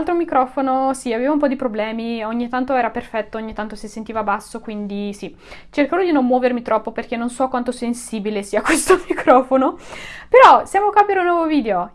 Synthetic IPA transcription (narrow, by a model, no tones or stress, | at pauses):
lt̪ɾomikɾɔːfonosiaveːvaumpɔd̪ipɾoblɛːmioɲːit̪ːant̪oɛːɾaperfɛt̪ːooɲːit̪ant̪osisent̪iːvabasːokwind̪isi | t͡ʃerkaɾod̪inomːwɔːvermit̪ɾʔɔpːoperk̟enːonsɔkːwant̪osensiːbilesiːakwest̪omikʰɾɔːfonopeɾɔsjamoakʷːapːiɾeunːwɔvoviːd̪eo